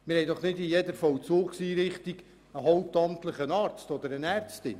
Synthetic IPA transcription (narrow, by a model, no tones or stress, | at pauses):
mɪɾhɛɪdɔχnɪdɪjɛdəɾfɔwt͡soːksiːɾɪχt̪iɡ | əɦɔwtɑmt̪ləχənɑːɾt͡stɔd̪əɾənæɾt͡stɪ̰n